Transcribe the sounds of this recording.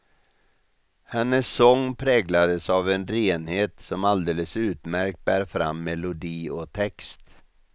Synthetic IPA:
hɛnːəsːɔŋːpʰɾɛːɡlad̪əsavɛnɾeːnheːt̪sɔmald̪eːləsʉ̟ːt̪mæɾk̚t̪̚bæːɾfɾa̰mːɛlʊd̪iːɔt̪ʰɛkst̪

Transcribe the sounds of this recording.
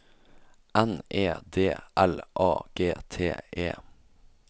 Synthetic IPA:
ɛnʔeːd̪eːʔɛlʔɑ̰ːɡ̥eːt̪ʰḛːʔḛː

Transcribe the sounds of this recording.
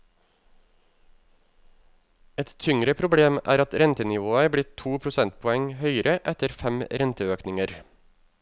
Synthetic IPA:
ɛt̪t̪ʰʏŋɾəpʰɾʊbɽeːmʔæ̰ːɾɑt̪ɾɛnt̪ənɪʋoːəbɽɪt̪ʰuːpʰɾʊsɛnt̪̚pʰɔɛŋhœʏəɾʔəʔɛt̪əɾfɛmɾɛnt̪əøːknɪŋəɾ

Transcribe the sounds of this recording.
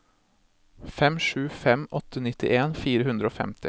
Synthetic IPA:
fɛmʂʉːfɛmʔɔt̪ənɪt̪ɪ̰ʔeːnfiːɾəhʉnd̪ɾəoːfɛ̰mt̪ɪ

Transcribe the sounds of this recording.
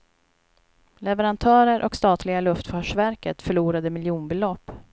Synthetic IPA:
lɛvɛɾant̪ʰœːɾəɾʔɔkst̪ɑːt̪lɪɡalɵft̪fœːʂvæɾkət̪fœɭuːɾad̪əmɪljuːnbɪlɔpː

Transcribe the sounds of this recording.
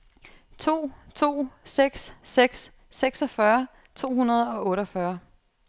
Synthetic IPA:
t͡sʰo̝̰ːt͡sʰo̝̰ːseɡ̥sːeɡ̥sː | eɡ̥sɒfɶɐ | t͡sʰo̝̰ːhunɐð̞ˠɒ̽ʔɔ̽ːɾɒfɶɐ

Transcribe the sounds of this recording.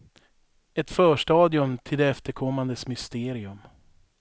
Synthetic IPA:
ɛt̪fœːʂʈɑːd̪ɪɵmt̪ʰɪld̪ɛɛft̪əɾkʰɔmːand̪əsmʏst̪eːɾɪɵm

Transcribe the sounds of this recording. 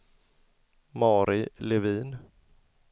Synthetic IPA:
mɑːɾʔɪlɛviːn

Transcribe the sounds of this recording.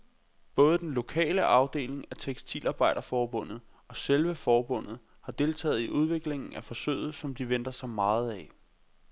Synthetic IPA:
b̥ɔ̽ːð̞ˠəd̥enlo̝kʰɛ̰ːləʔɑ̈ʊd̥e̝̰ːle̝ŋæt͡sʰeɡ̥sdʰḭlʔɑ̈ːb̥ɑ̈ɪ̰d̥ɐfɒːb̥ɔ̽n̰ð̞̩ˠ | ɒ̽selʋəfɒːb̥ɔ̽n̰ð̩ˠ | hɑ̈d̥e̝lt͡sʰɛ̰ːð̩ˠiʔuð̞ˠʋe̝ɡ̥le̝ŋŋn̩æfɒ̽sø̰ːð̩ˠsɒ̽md̥iʋen̰d̥ɐsɑ̈ɪmɑ̈ːð̞̩ˠæ

